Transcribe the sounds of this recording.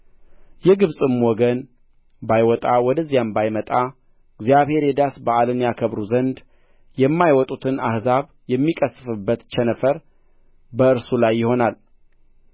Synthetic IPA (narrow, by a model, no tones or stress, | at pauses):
jɛɡɨβsʼɨmwɔɡən | bajwɔt̪ʼawɔd̪əzːijambajmət̪ʼa | ɡzjaβhe̞ɾjɛd̪asbəʔalɨnjakʰəβɾuzənd̪ | jɛmːajwɔt̪ʼut̪ʰɨnahzaβ | jɛmːikʼəsɨfɨbːət̪t͡ʃʰɛnəfəɾ | bəɨɾsulajːɪho̞nal